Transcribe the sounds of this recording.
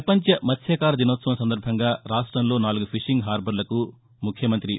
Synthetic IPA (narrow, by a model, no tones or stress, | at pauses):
ɐpɐɲt͡ʃɐmɐt̪sʰɛːkaːɾɐd̪inɔːt̪sɐʋɐmsɐnd̪ɐɾbʱɐŋɡaːɾaːʂʈɾɐmlo̞ːnaːluɡupʰiʂiŋɡɦaːɾbʱɐɾlɐku | mukʰːjɐmɐnt̪ɾi